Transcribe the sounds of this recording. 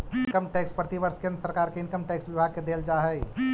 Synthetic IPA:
kəmʈɛːkspɾət̪iʋəɾskẽnd̪səɾkaːɾkeɪnkəmʈɛːksʋibʱaɡ̚ked̪eld͡ʒaɦəi

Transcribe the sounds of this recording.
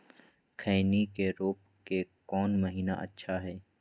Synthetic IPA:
kʰəːnikeɾoːp̚ | kekɔːnməɦiːna̰ʔɐ̰tːʃʰaɦɛː

